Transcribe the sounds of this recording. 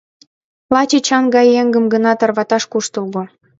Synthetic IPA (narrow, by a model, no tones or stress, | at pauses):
lɑt͡ɕet͡ɕɑŋɡɑjeŋɡə̆mɡənɑt̪ɤrβɑt̪ɑʃkuʃt̪əlɣo